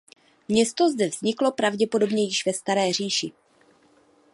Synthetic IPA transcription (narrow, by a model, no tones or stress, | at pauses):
mɲɛst̪o̞zdɛvzɲɪklo̞pɾavɟɛpo̞do̞bɲɛjɪʃvɛst̪aɾɛːr̝iːʃɪ